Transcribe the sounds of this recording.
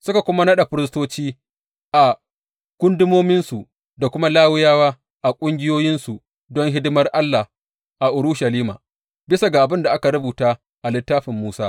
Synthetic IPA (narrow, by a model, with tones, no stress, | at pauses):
sʊ˦ka˨kʷʊ˦ma˦nɐ˦ɗa˨ɸɪ˦ɾɪ˦s̬toː˦t͡ʃiː˦ | ʔa˨ | kʷʊ˦ndɪ˦moː˦mɪ˦nsu˨ | da˨kʷʊ˦ma˦laː˦wɪ˦jaː˦waː˦ | ʔa˨kʷʼʊ˦ŋɡʲɪ˦joː˦jɪ˦nsu˨ | dɔ˦ŋɦɪ˦dɪ˦mɐ˦rʔa˦lːa˨ | ʔa˨ʔʊ˨ɾu˦ʃa˨liː˦ma̰ː˨ | bɪ˦sa˨ɡa˨ʔa˨bɪ˦nda˨ʔa˦ka˨ɾʊ˦buː˨taː˦ | ʔa˨lɪ˦tːaː˦ɸɪ˨mːuː˦saː˦